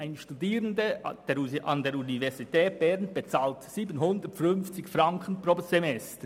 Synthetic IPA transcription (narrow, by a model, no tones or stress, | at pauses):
ʔaɪnʃtudiːɾəndəd̥eːʔɑ̰ndeːɾunivɛʁzitʰɛːt̚b̥ɛʁɾnb̥et͡saːltsiːbənhʊndətfʏnft͡sɪçfɾɑŋkʰən̩pɾoːsemɛstə